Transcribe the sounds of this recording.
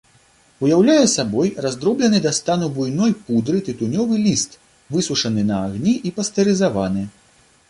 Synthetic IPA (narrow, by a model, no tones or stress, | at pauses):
ujawlʲajɛsabɔjrazd̪ɾɔblʲɛnɨd̪ɐst̪anubujnɔjpud̪ɾɨt̪ɨt̪unʲɔvɨlʲist̪ | vɨsuʂɐnɨnɐːɣnʲiʔipɐst̪ɛɾɨzavanɨ